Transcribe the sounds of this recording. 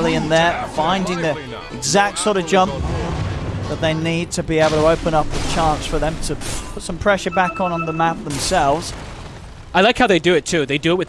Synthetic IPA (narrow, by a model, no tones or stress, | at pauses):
liɨ̃nðə˞fãɪ̃ndɪ̃ŋði | ɪɡzæk̚tsɔɾʌvd͡ʒʌ̃mp̚ | ðət̪̚ðeɪnid̚tʰɨbieɪbl̩ˠtʰəoʊpə̃nʌp̚ðət͡ʃʰɑ̃ˑnsfə˞ðə̃mtʰəpʰʊtsʌ̃mpʰɹ̥ɛʃə˞bækn̩ə̃n̩ðəmæp̚ðə̃m̩sɛlˠvz̥ | aɪlaɪkhaʊðeɪdɨɪtʰʉðeɪdɨːt̚wɨð